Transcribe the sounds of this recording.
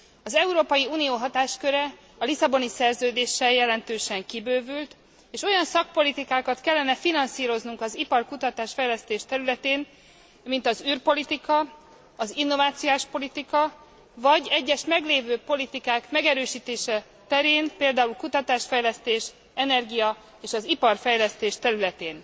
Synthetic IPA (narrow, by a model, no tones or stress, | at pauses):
ɒzɛuɾoːpɒjiuːnijoːɦɒt̪aːʃkø̞ɾɛ | ɒlisɒbo̞nisɛrzøːd̪eːʃɛjɛlɛnt̪øːʃɛŋkibøːvylt̪ | eːʃo̞jɒnsɒk̚po̞lit̪ikaːkɒt̪kɛlːɛnɛfinɒnsiːɾo̞znuŋkɒzipɒrkut̪ɒt̪aːʃfɛjlɛst̪eːʃt̪ɛɾylɛt̪eːn | mint̪ɒzyːrpo̞lit̪ikɒ | ɒzinːo̞vaːt̪sijaːʃpo̞lit̪ikɒ | vɒɟɛɟːɛʃmɛɡleːvøːpo̞lit̪ikaːkmɛɡɛɾøːʃiːt̪eːʃɛ | t̪ɛɾeːnpeːld̪aːulkut̪ɒt̪aːʃfɛjlɛst̪eːʃ | ɛnɛrɡijɒ | eːʃɒzipɒrfɛjlɛst̪eːʃt̪ɛɾylɛt̪eːn